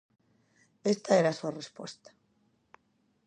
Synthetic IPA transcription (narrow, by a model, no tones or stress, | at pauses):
est̪aeɾasuarespwost̪ḁ